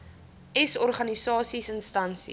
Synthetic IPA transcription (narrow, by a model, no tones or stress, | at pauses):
ʔɛsɔrχɐnisɑːsisənstɐnsḭ